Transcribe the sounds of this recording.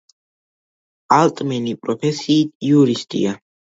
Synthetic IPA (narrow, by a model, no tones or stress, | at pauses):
alˠt̪ʼmɛnipʼɾɔpʰɛsiːt̪̚ʰiuɾist̪ʼḭa